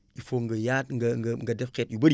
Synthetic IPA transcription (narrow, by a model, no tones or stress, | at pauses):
ifoŋɡɐjatŋɐŋɡɐŋɡɐdɛfkɛt̚ibɐɾ